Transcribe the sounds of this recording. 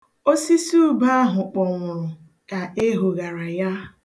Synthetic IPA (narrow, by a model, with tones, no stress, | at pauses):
o˦si˦su˦ba˦a˦ɦʊ˨k͡pɔ˨ŋʷʊ˨ɾʊ˨ | ka˨e˦ɦo˨ɣa˨ɾa˨ja˦